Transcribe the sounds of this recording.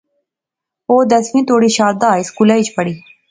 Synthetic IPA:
oːd̪ɐsmĩːt̪oːɽiːʃaːɾd̪aːɪskulait͡ʃpɐɽiː

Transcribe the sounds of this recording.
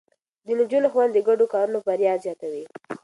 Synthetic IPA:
d̪ənd͡ʒunoxwand̪əɡaɖokɑɾunofaɾjɑzjɑt̪awi

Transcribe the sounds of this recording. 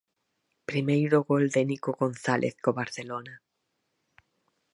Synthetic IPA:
pɾimejɾoɣold̪enikoɣonθalʔḛθkoβaɾθelona

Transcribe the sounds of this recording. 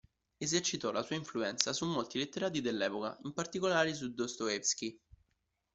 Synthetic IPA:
ezert͡ʃit̪ɔlasuːaiɱfluɛnt̪sasumːolt̪ilet̪ːeɾaːt̪̬id̪elːɛːpoka̰impart̪ikolaːɾis̬ud̪ost̪oɛfsk̟i

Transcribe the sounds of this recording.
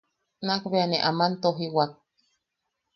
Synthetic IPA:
nakβeaneʔamant̪oɦiwak̚

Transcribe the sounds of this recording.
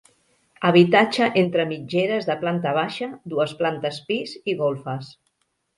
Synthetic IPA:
əβ̞it̪at͡ʃəʔent̪ɾəmid͡ʒeɾəzðəplant̪əβ̞aʃəd̪uəsplant̪əspiziɣolˠfəs

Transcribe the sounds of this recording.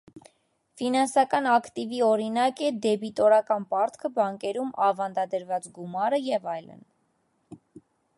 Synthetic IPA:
finɑnsɑkɑnɑkʰt̪iviɔɾinɑkɛd̪ɛbit̪ɔɾɑkɑnpɑɾt̪ʰkʰəbɑŋkɛɾumɑvɑnd̪ɑd̪əɾvɑt͡sɡumɑɾəjɛvɑjlə̰n

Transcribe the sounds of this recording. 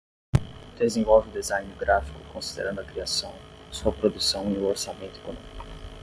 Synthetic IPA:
d̪̥ezẽvɔwvɪʊ̃d̪ezãj̃nɪɾɡɾafi̥kʊkõsid̪ḛɾɐ̃nd̪ʊɐkɾiasɐ̃w̃suɐpɾod̪usɐ̃w̃iʊoɾsamẽnt̪ʊe̥konõmikʊ

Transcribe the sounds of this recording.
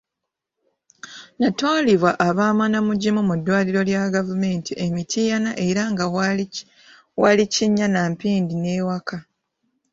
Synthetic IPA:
nataːliβwaʔːβaːmanamuɟimumudːwaːliɾo̞ljaɡavume̞ːntiʔemitʰijanaʔe̞ɾaŋɡa | waliciɲːanampiːndine̞ːwakʰa

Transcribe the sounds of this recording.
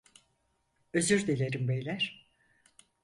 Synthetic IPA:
øzyɾd̪elʲeɾimbejlʲæɾ̥

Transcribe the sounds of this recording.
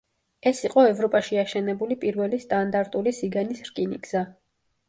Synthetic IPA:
ɛsiqʼɔɛvɾɔpʼaʃiaʃɛnɛbulipʼiɾvɛlist̪ʼand̪aɾt̪ʼulisiɡanisɾkʼiniɡz̥a

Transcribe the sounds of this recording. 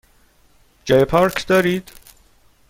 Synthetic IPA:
d͡ʒejpʰɒːɾkʰd̪ɒːɾiːd̪̥

